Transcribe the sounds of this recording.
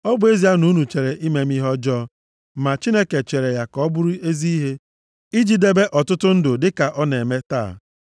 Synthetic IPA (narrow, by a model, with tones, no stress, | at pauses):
ɔ˦bʊ˦e˦zi˦a˦nu˦nu˨t͡ʃe˨ɾe˨ʔi˦me˨m˦i˦ɦɔ˦d͡ʒɔː˦ | ma˨t͡ʃi˦ne˦ke˨t͡ʃe˨ɾe˨ja˨kɔ˦bʊ˦ɾʊ˦e˦zi˦i˦ɦe˦ | i˦d͡ʒi˨de˦be˦ʔɔ˨tʊ˦tʊ˦n̩˦dʊ˨dɪ˦ka˨ʔɔ˦ne˨me˦ta̰ː˦˨